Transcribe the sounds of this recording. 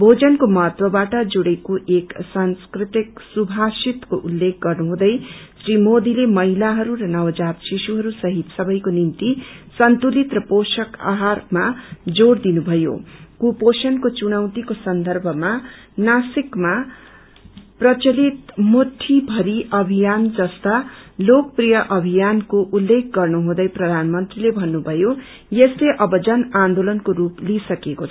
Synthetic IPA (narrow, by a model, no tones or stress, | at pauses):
bʱod͡zʌnkomʌɦʌt̪wʌbaʈʌd͡zuɽekoʔeksanskrit̪iksubʱasit̪koʔulːek̚ɡʌrnuɦũd̪ʌjsrimod̪ilemʌɦilaɦʌɾuɾʌnʌwd͡zat̪sisuɦʌɾusʌɦit̪sʌbʌjkonimt̪isʌnt̪ulit̪rʌposʌka̰ɦarmad͡zoɽd̪inubʱʌjo̰kuposʌnkot͡suɽ̃ʌw̃t̪ikosʌnd̪ʱʌrbʱʌma | nasikma | prʌt͡sʌlit̪moʈʰːibʱʌɾiʔʌbʱijand͡zʌst̪alok̚prijʌʔʌbʱijankoʔulːekʰɡʌrnoɦũd̪ʌjprʌd̪ʱanʌmʌnt̪rilebʱʌnːubʱʌjo | jesleʔʌbʌd͡zʌnãnd̪olʌnkoɾuplisʌkekot͡sʰʌ